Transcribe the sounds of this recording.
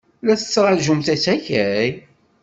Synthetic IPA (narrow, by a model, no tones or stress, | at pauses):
læθət͡sːɾˤɑʒumθæsæçæj